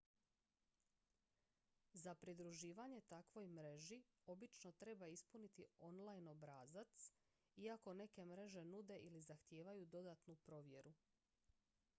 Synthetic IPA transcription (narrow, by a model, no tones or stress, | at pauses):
zapɾid̪ɾuʒiːʋaɲe̞t̪akʋo̞jmɾe̞ʒio̞bit͡ʃno̞t̪ɾe̞baispunit̪io̞nlˠajno̞bɾaːzat̪s | iako̞ne̞ke̞mɾe̞ʒe̞nud̪e̞ʔilizaxt̪je̞ːʋajud̪o̞d̪at̪nupɾo̞ʋje̞ɾu